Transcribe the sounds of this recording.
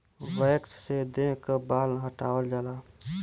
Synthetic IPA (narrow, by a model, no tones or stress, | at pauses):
ʋəːksːed̪ẽːkəbaːlɦəʈaːwəld͡ʒaːlaː